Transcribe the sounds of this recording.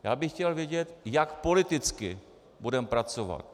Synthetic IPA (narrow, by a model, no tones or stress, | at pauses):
jaːbɪxcɛlvjɛɟɛt̪jakpo̞lɪt̪ɪt͡skɪ̰ | budɛmpɾat͡sova̰t̪̚